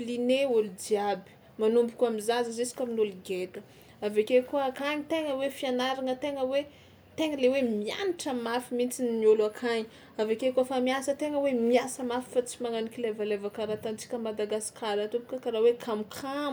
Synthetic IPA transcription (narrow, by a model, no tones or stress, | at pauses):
lineoludiabi̥ | manumbukʲuamizazəzesi̥kʲaminoluɡet̪ə | avekekuəakaɲit̪eŋəwefianaɾaŋət̪eŋəwe | t̪eŋəlewemia̰niʈ͡ʂəmafimint͡sinnioluakʰaɲi | avekekuafamiasət̪eŋəwemiasəmafi̥fat͡simaŋanikʲilevalevakaɾat̪ant͡si̥kʲəmad̪aɡasi̥kʰalat̪ubukʲakaɾawekʰamkʰam